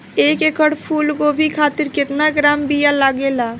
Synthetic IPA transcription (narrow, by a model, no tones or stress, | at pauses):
eːkekəɽpʰuːlkobʱikʰaːt̪ɪɾkɪt̪naɡɾaːmbijalaːɡelaː